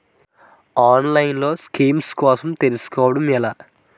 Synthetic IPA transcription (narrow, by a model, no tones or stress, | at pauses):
aːnlɐjnlo̞ːskiːmskɔːsɐmt̪elusu̥kɔːʋɐɽɐmɛlaː